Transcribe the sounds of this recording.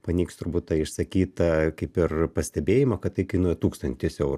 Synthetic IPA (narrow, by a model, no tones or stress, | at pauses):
pɐnʲiːkst̪ʊɾbuːt̪tɐɪʃsɐkʲiːt̪ɐkɐɪpɪrpɐsʲt̪ʲɛbʲeːjɪmɐkɐt̪ɪkʲɐɪnuːjɛt̪uːkst̪ɐnʲt̪ʲɪsɛʊɾ